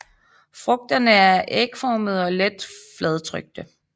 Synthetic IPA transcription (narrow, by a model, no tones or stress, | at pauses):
fʁɔ̽ɡ̥̚d̥ɐnəæɐʔeɡ̥fɒːməð̞̩ˠɒ̽led̥flɛð̞ˠt͡sʰʁœɡ̥̚d̥ə